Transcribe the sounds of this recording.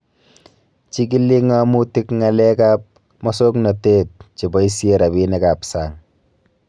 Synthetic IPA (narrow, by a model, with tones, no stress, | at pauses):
t͡ʃi˦k̬i˦lːi˦ŋa˦mu˦ti˦kŋa˨le˦ka˦p̚ | mɔ˦so˦kna˨teː˦t̚t͡ʃi˨ba˦i˦si˦e˦ɾa˨bi˦ne˦ka˨psa˨ŋ